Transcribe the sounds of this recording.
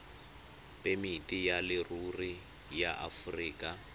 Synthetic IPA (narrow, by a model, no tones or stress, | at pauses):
pʼemitʼijalɪruri | jaʔafuriːkʼa